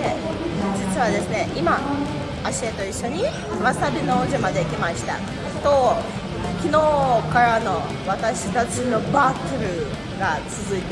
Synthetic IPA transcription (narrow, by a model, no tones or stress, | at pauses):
e | d͡ʑit͡sɨβad̪e̞sɨne̞ʔima | aɕiet̪o̞iɕːo̞ɲ̟i | βḁt̪abʲinoːʑimad̪e̞ikʲimaɕi̥t̪a̰ | t̪o̞ | kʲino̞ːkaɾano̞ | βat̪aɕi̥t̪at͡ɕino̞bat̪ːɯɾɯ̟ | ɡat͡sɨzɨit̪